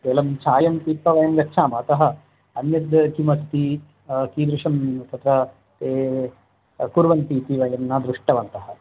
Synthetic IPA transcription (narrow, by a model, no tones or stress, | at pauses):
t̪eːlɐmt͡ʃʰaːjɐmt̪iːpɐʋɐjɐmɾɐkt͡ʃʰaːmɐɐt̪ɐɦɐ̆ | ɐnjɐd̪kimɐst̪i | kiːd̪ɾuʂɐmt̪ɐt̪ɾɐ | t̪eː | kuɾʋɐnt̪iːt̪iʋɐjɐmnaːd̪ɾuʂʈɐʋɐnt̪ɐhɐ̆